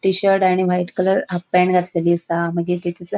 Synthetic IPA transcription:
ʈiɕəɾʈaɽ̃iʋajiʈkələɾɦapːɛɳɡʱat̪ləlisaməɡet̪et͡ɕisə

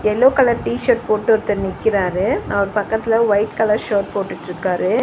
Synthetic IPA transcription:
ɛlːoːkɐlɐʈiːʃɐɾʈ̚poːʈːɯɔɾt̪ːɐɾnɪkːɪɾaːɾɯɐʋɐɾpɐkːɐt̪ːɪlɐʋɐɪʈkɐlɐɾʃoːʈ̚poːʈːɪʈːɪɾɯkːaːɾɯ

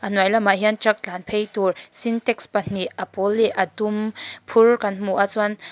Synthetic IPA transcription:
ʔanwajlamaʔɦiant͡ʃak̚t͡ɬaːnpʰejt̪ursint̪ɛkspɐn̥iʔɐpɔlːiʔɐt̪umpʰʊrkɐnm̥uʔat͡swan

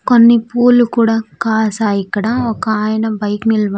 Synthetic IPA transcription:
konːipuːlːukuːɽaːkaːsaːjikːɐɽaɔkɐaːjɐnɐbɐjkmilʋɐ

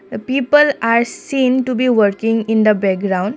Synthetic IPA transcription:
əpiːpəlaɾsĩːnʈubiːʋəɾkĩŋɡɪ̃nd̪əbɛk̚ɡɾãw̃ɳɖ

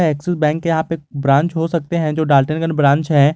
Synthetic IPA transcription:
ɛːksɪsbɛ̃ːŋkːejɐɦãpebɾãːnt͡ʃɦosɐk̚t̪eɦɛ̃d͡ʒoːɖaːlʈənɡənbɾãːnt͡ʃɦɛ̃ː

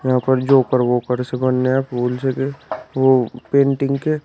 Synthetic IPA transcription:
jɐɦãːpəɾd͡ʒoːkəɾʋoːkəɾsebənneapuːlsekeʋopẽːɳʈɪ̃ŋɡke

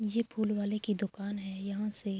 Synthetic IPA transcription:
jeːpʰuːlwaːlekid̪ʊkaːnɦɛːjɐɦãse

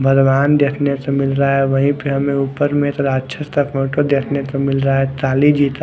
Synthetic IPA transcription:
bʱədʋaːnd̪eːkʰnesemɪlɾaaɦɛʋɐɦĩpiɦɐmẽuːpəɾmẽt̪ɐd̪atːʃʰəst̪ɐpoːʈod̪eːkʰnesemɪlɾaaɦɛt̪aːlid͡ʒiːt̪

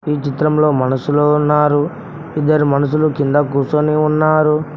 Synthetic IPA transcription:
iːt͡ʃit̪ɾɐmlo̞ːmɐnɐsuloːunːaːɾu | id̪ːɐɾimɐnɐs̬ulukind̪ɐkuːsoniunːaːɾu

